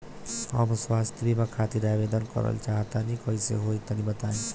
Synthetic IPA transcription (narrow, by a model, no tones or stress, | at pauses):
ʌ̰bswast̪bimakʰat̪iɾabed̪ənkʌ̰ɾə̰lt͡ʃaɦt̪anikʌisḛɦoit̪ʌnibət̪aẽ